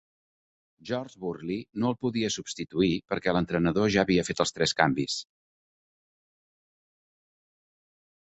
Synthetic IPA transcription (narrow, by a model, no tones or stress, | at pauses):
ʒɔrzβurlinoəlˠpuðiəsubst̪it̪uipəɾkɛlənt̪ɾənəðoʒaːβiəfet̪əlˠst̪ɾɛskambis